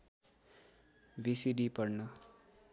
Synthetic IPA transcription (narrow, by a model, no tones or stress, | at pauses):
bisiɖipʌrnʌ